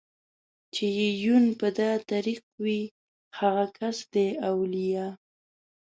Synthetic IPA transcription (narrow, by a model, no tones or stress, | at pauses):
t͡ʃejejunpəd̪ɑt̪aɾiq̚wi | haɣakʰasd̪eawlija